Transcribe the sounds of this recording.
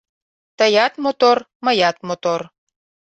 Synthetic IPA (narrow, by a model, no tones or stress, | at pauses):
t̪əjɑt̪mot̪or | məjɑt̪mot̪or